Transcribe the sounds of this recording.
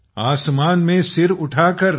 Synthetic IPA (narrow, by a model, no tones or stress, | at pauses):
aːsmaːnmẽsɪɾʊʈʰaːkəɾ